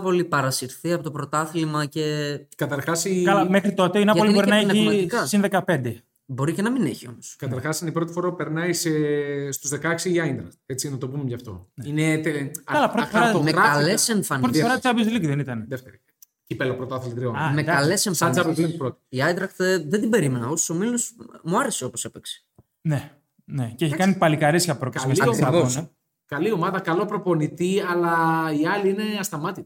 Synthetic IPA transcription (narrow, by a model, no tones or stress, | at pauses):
po̞lipɐɾɐsiɾθiɐpo̞t̪opɾot̪ɐθlimɐce̞kɐt̪ɐɾxɐsikɐlɐmexɾit̪o̞t̪einɐolibbo̞ɾinɐenɐçiɐt̪ikɐsinðe̞kɐpe̞nd̪e | bo̞ɾicenɐmineçio̞̰moskɐt̪ɐɾxɐsineipɾo̞t̪i̥fo̞ɾɐupe̞ɾnɐisest̪uzðekɐksiːɐind̪ɾɐkt̪e̞t͡sinɐt̪o̞bumemʝɐft̪o̞̰neinet̪ekɐlɐpɾo̞t̪ifoɾɐeɐɐleseɱfɐnpɾotifɾɐsɐbjozliciðenit̪ɐneðeft̪eɾ | cipelopɾot̪ɐθelid̪ɾionamekɐlesemfɐnt͡sɐbizlinpɾot̪i̥iɐjnd̪ɾɐkt̪ðend̪ibe̞ɾime̞nɐoso̥so̞milosmuɐɾeseo̞po̞sepekse̥ | ne | neceçikɐnipɐlikɐɾesçɐpɾokɐsmelsion | kɐlio̞mɐðɐkɐlo̞pɾo̞po̞nit̪iɐlɐiɐliine̞ɐst̪ɐmɐt̪i